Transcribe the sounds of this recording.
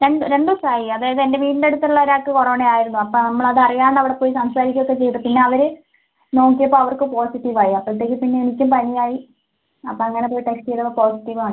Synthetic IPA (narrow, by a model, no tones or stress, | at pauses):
ɾe̞ɳɖɨɾe̞ɳɖusaːjiɐðaːjɐðɨendeʋiːʈnde̞ɽut̪ːɐluɭːɐʋɐɾaːkːɨkoroːɳejaːjiɾunːuɐpːonɐmːɐɭɐðɨɐrijaːɳɐʋiɽe̞poːjisɐmsaːɾikʲːokːet͡ɕe̞jt̪upinːe̞ɐʋɐɾɨ | no̞ːk̬ːijɐpːoːɐʋɐrkɨpoːsiʈːiʋaːjiɐpːɐɭt̪ːe̞ːk̬ʲːɨpinːeenikʲːumpɐnijaːji | ɐpːoɐŋːɐnepo̞ːjiʈeksʈijðɐʋɐpoːsiʈːiʋaːɳɨ